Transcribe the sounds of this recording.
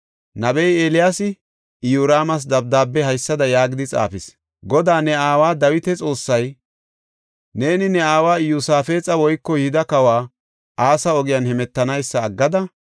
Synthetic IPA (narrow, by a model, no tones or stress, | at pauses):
nɐbɛjeːlɪjaːsɪ | juːɾaːmɐs̬d̪ɐb̚d̪aːbːɛhɐjsːɐd̪ɐjaːɡɪd̪ɪt͡sʼa̰ːfɪs | ɡɔd̪aːnɛaːwaːd̪ɐwɪt̪ɛt͡sʼo̞ːsːɐj | ne̞ːnɪnɛaːwaːjusaːfe̞ːt͡sʼɐwɔjkːɔjɪd̪ɐkɐwaː | ʔaːsɐɔɡɪjɐnhɛmɛt̪ːɐnɐjsːɐːɡːɐd̪ɐ